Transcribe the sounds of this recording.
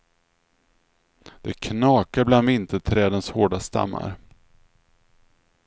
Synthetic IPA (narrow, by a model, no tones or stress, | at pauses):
d̪̥ɛkʰnɑːkaɾbland̪ɪnt̪ʰət̪ʰɾɛːd̪ənshoːɖast̪a̰mːa̰ɾ